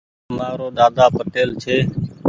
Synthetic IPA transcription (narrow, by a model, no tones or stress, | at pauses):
maːɾoːɗ̪aːd̪aːpəʈeːlt͡ʃʰeː